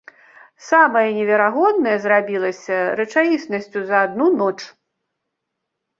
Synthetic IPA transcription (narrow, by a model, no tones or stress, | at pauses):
samɐjɐnʲɛvʲɛɾaɣɔd̪nɐjɐzrabʲilˠɐsʲɐɾɛt͡ʂajʲisnɐsʲt͡sʲuzɐːd̪̚nunɔt͡ʂ